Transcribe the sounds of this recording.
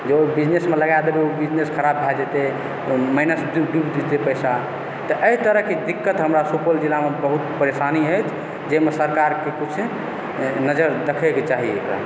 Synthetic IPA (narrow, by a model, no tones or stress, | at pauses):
d͡ʒeobid͡ʒnesmeləɡajd̪ebeobid͡ʒneskʰəɾabːʱad͡ʒet̪e | məɪnəsdudubd̪id̪epəjsa | t̪ɔʔəit̪əɾəɦked̪ikːət̪ɦəmɾasupold͡ʒilamebəɦut̪pəɾesaniɦəjt͡ʃʰ | d͡ʒemesəɾkaɾkekut͡ʃʰ | nəd͡ʒəɾd̪əkʰeket͡ʃaɦieekɾa̰